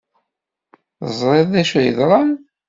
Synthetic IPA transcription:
zˤɾˤeðæʃæjə̰ðɾˤɑn

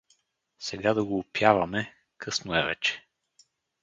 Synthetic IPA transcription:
sɛɡad̪ɐɡoːpjavɐmɛ | kʰɤsnʊɛvɛ̰t͡ʃɛ̥

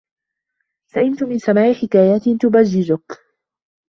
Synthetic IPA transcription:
saʔɪmt̪ʊmɪnsamaːʔɪħɪkaːjaːt̪ɪt̪ʊbaʒːɪzʊk

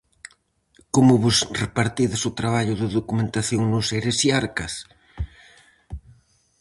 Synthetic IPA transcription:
komʊβʊsrepaɾt̪iðɪsʊt̪ɾaβaʎʊðɪðokumẽnt̪aθjoŋnʊseɾesiaɾkɐs

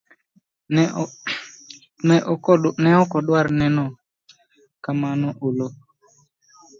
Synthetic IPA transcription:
nɛʔɔkɔnɛɔkɔɗwaɾnɛnɔ | kamanɔʔolo

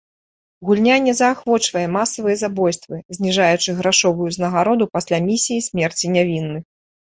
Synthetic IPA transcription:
ɣulʲnʲanʲɛzɐːxvɔt͡ʂvɐjɛmasɐvɨjɛzabɔjst̪vɨzʲnʲiʐajut͡ʂɨɣɾaʂɔvujuznɐɣaɾɔd̪upasʲlʲamʲisʲijisʲmʲɛrt͡sʲinʲavʲinːɨx

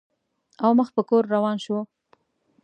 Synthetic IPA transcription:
awməxpəkoɾːawɑnʃwə

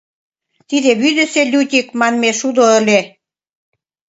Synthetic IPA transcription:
t̪id̪eβyd̪ə̆selʲut̪ʲikmɑnmeʃud̪oə̆lʲe

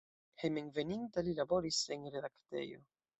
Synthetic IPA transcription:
hejmeŋvenint̪alilaboɾisenɾedakt̪ḛjo̰

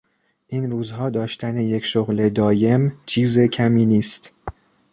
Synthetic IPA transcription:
ʔiːnruːzhɒːd̪ɒːʃt̪ʰæneje̞cʃoɣle̞d̪ɒːje̞mt͡ʃʰiːze̞cʰæmiːniːst̪

